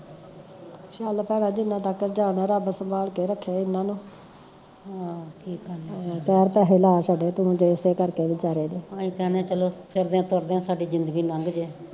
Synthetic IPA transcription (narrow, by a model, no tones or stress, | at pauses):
ʃaːlpɛːɽ̃ãːd͡ʒɪnːãːt̪aːkːəɾd͡ʒaːɽnaːɾaːbəsəmbaːlkeːɾəkʰːeːɪnːãːnũː | ɦaːkʰiːkəɾlːpɛːɾt̪ɛːɦɪlaːsaːɖeːt̪ũːd͡ʒeːseːkəɾkeːniːt͡ʃaːɾeːd̪eːãːĩːt̪ɛːnãːt͡ʃəloːpʰɪɾd̪eãːt̪ʊɾd̪eãːsaːɖiːd͡ʒɪnd̪əɡiːnə̃ŋɡd͡ʒeː